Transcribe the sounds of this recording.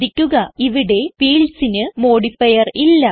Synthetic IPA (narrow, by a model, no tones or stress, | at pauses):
ikʲːuɣɐiʋiɽe̞fiːɭsinɨmo̞ːɽifɐjɐrilːɐ